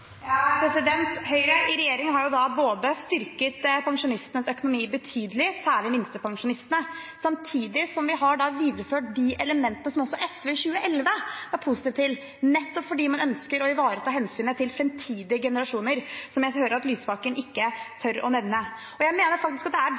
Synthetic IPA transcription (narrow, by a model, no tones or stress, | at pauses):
pʰɾɛsɪd̪ɛnt̪hœʏɾəʔɪɾɛjeːɾɪŋɦɑɾjʊd̪ɑboːd̪əst̪ʏɾkət̪pʰɑŋʂʊnɪst̪ənəsœkʊnʊmiːbət̪ʰyːd̪əlɪsæːɭɪmɪnst̪əpʰɑŋʂʊnɪst̪ənəsɑmt̪ʰiːd̪ɪsɔmʋɪɦɑɖɑʋiːd̪ɾəføːʈ̚d̪ɪʔɛləmɛnt̪ənəsɔmɔsːɔʔɛsʋeçʉːəʔɛlʋəæɾpʰusɪt̪ɪʋt̪ʰɪl | nɛt̪ːɔpfɔɖiːmɑnœnskəɾɔɪʋɑːɾət̪ʰɑːhɛnsyːnət̪ʰɪlfɾɛmt̪ʰiːd̪ɪəɡɛnəɾɑʂuːnəɾsɔmjæɪhøːɾəɾɑt̪lyːsfɑkənɪkːət̪ʰœɾɔ̰nɛnnːə | ɔjæɪmeːnəɾfɑkt̪ɪskɑt̪̚d̪ɛæ